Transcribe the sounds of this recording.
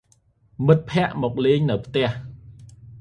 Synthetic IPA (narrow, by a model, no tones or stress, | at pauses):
mɨt̪̚pʰɛ̆əʔmɔːk̚leːŋnɨwpʰt̪ɛ̆əh